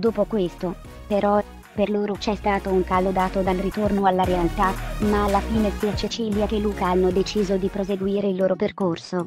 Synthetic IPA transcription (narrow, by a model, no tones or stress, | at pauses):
d̪oːpokwest̪o | peɾɔ | perloːɾot͡ʃɛst̪aːt̪ouŋkalod̪aːt̪od̪alrit̪ornoalːaɾealt̪amaːlːafiːnepjat͡ʃet͡ʃiːljak̟elːuːkaanːod̪et͡ʃiːzod̪ipɾozeɡwiːɾeilːoːɾoperkorso